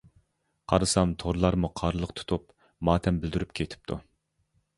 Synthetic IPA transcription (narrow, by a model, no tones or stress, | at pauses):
qʰɑɾɨsɑmt̪ʰoɾlˠɑɾmuqʰɑɾlˠəqt̪ʰu̥t̪ʰup | mɑːt̪ʰɛmbɪld̪yɾypkʲʰet̪ʰɪ̥p̚t̪ʰu